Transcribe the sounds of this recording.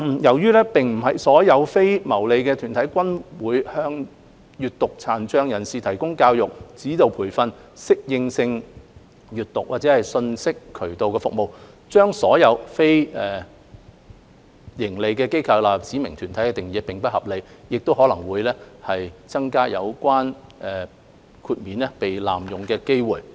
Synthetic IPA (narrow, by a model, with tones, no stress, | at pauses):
m̩˨˩jɐ˨˩wjyː˥lɛː˥pɪ˨ŋm̩˨˩hɐ˨jsɔː˨˥jɐ˨˧wfe˥jmɐ˨˩wle˨˧jkɛː˧t̪ʰyː˨˩nt̪ʰɐ˨˥jkʷɐ˥nwuː˨˥jhœː˧ŋ | jyː˨t̚t̪ʊ˨k̚t͡sʰaː˨nt͡ʃœː˧ŋjɐ˨˩nsiː˨t̪ʰɐ˨˩jkʊ˥ŋkaː˧wjʊ˨k̚t͡siː˨˥t̪o˨wpʰuː˨˩jfɐ˧n | sɪ˥k̚jɪ˧ŋsɪ˧ŋ | jyː˨t̚t̪ʊ˨k̚waː˨t̚t͡sɛ˨˦hɐ˨jsɵ˧nsɪ˥kʰɵ˨˩ɥt̪o˨wkɛː˧fʊ˨k̚mo˨w | t͡ʃœː˥ŋsɔː˨˥jɐ˨˧wfe˥jɛː˨ | jɪ˨˩ŋle˨jkɛː˧ke˥jkʰɐ˧wlaː˨t͡siː˨˥mɪ˨˩ŋt̪ʰyː˨˩nt̪ʰɐ˨˥jkɛː˧t̪ɪ˨˩ŋjiː˨˧pɪ˨ŋpɐ˥t̚hɐ˨p̚le˨˧jjɪ˨k̚t̪o˥whɔ˨˥lɐ˨˩ŋwuː˨˧jlɛː˥hɐ˨jt͡sɐ˥ŋkaː˥jɐ̰˨˧wkʷwaː˥nʔɛː˨ | kʰuː˧t̚miː˨˧nlɛː˥pe˨jla̰ː˨mjʊ˨ŋkɛː˧ke˥jwuː˨˩j